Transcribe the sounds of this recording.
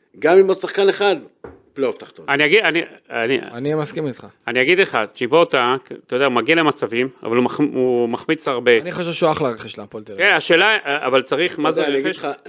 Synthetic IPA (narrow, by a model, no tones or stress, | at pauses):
ɡamimosaχkaneχad̪ | pleoft̪ḁχt̪onaniaɡid̪anianianimaskimit̪χaaniaɡid̪leχaʃibot̪at̪ajodeaumaɡiale̞mat͡savima̰valumaχumaχmit͡saʁbe̞niχaʃevʃeaχlaʁeχeʃlapolt̪eʁkenaʃe̞ːlaavalt͡saʁiχmazeeɡeʃa